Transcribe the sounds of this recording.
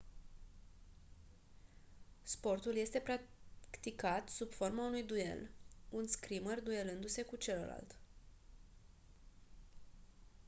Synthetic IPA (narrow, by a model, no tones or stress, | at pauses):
spo̞rt̪ulje̞st̪e̞pɾakt̪ikat̪subfo̞rmaunujd̪uje̞̰lunskɾimərd̪uje̞lɨnd̪use̞kut͡ʃe̞ləla̰lt̪